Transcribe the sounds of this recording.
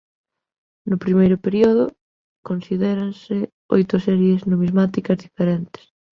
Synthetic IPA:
nʊpɾimejɾʊpeɾioðʊ | konsiðɛɾansɪ | o̰jt̪ʊsɛɾjeznoβizmat̪ikɐzðifeɾɛnt̪ɪ̥s

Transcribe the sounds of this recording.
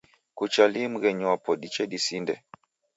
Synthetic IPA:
kut͡ʃalim̩ɣɛɲuwapɔdit͡ʃɛdisindɛ

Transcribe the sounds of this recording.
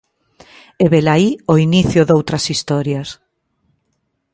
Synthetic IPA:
eβelaioiniθjʊðowt̪ɾɐsist̪ɔɾjas

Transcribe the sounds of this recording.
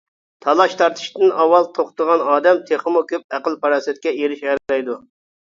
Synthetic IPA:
t̪ʰɑlˠɑʃt̪ʰɑɾt̪ʰɨ̥ʃt̪ɨnɑwːɑlˠt̪ʰoχt̪əʁɑnɑːd̪ɛmt̪ʰeχɨmukʲøp̚æqəlˠpɑɾɑːsɨt̪̚kʲɛeɾɪʃæɾlɛjd̪u

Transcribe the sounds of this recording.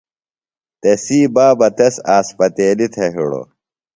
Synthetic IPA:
t̪esiːbaːbɐt̪ɐsaːspɐt̪eːlit̪ʰɐɦḭɽo̰

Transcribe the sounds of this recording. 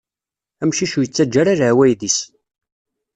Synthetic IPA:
æmʃiʃujət͡sːæd͡ʒːaɾaɾwæjðis

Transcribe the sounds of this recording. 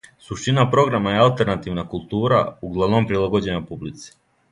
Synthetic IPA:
suʃt̪inapɾo̞ɡɾamajealˠt̪eɾnat̪iʋnakulˠt̪uːɾa̰uɡlˠaʋno̞mpɾilˠaɡo̞d͡ʑe̞ɲapublit̪si̥

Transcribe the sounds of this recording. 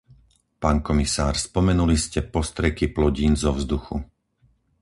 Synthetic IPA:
paːnkɔmisaːɾspɔmɛnuliscɛpɔst̪ɾɛkiplɔɟiːnzɔvzd̪uxu

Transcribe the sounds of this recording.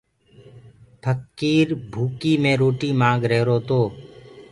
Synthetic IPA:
pʰəkːiːɾbʱuːkiːmẽːɾoːʈiːmãːɡɾeːɾoːt̪oː

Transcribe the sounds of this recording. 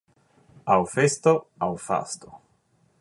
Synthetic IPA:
awfest̪oawfa̰st̪o

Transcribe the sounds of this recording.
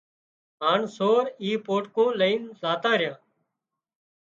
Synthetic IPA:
ɦaːɳsoːɾiːpoːʈkõːləiːnzaːt̪ãːɾɪjãː

